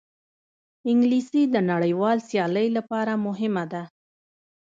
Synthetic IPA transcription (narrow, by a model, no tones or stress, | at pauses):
ɪŋɡlisid̪ənaɽəjwɑlsjɑləjlapɑɾamʊɦɪmad̪a